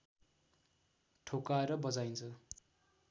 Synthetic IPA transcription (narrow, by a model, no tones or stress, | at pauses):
ʈʰokaeɾʌbʌd͡zajnt͡sʰʌ